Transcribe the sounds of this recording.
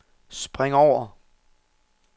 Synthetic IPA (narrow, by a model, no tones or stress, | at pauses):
sb̥ʁeŋɒʊ̰ɐ